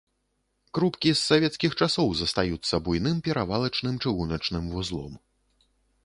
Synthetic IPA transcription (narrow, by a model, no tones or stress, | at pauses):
kɾupkʲisːavʲɛt̪skʲixt͡ʂasɔwzɐst̪ajut̪sːɐbujnɨmpʲɛɾavalˠɐt͡ʂnɨmt͡ʂɨɣunɐt͡ʂnɨmvuzlˠɔ̰m